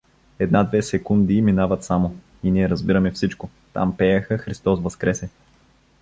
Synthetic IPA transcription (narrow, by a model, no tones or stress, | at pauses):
ɛd̪nad̪vɛsɛkund̪iminavət̪samo | iniɛɾɐzbiɾɐmɛfsit͡ʃko | t̪a̰mpɛjɐxəxɾist̪ɔsvɐskɾɛsɛ